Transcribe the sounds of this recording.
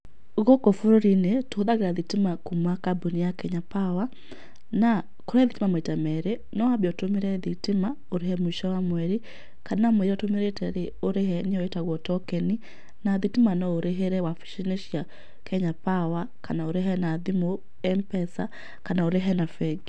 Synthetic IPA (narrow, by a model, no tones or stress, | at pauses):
ɣɔkɔfoɾoɾinetoðaɣeɾaðitimakumakabonijakɛɲapawa | na | koɾɛðitimamaitamɛɾe | nɔabɔtomeɾɛðitema | oɾehɛmoiʃawamwɛɾi | kanamwɛɾiɔtomeɾetɛɾeoɾeɦɛneɔetaɣɔtɔkɛni | naðitimanɔoɾeɦeɾɛwafi̥ʃɛneʃja | kɛɲapawa | kanaoɾeɦɛnaðimo | ɛmpɛsa̰ | kanaoɾeɦɛnafɛɡ